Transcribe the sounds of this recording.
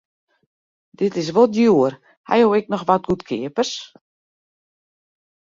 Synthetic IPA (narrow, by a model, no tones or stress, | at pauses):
dɪtɪs̬ʋolˠdjuər | ha̰jowɛk̚nɔxʋat̚ɡutkʰɪ̰əpərs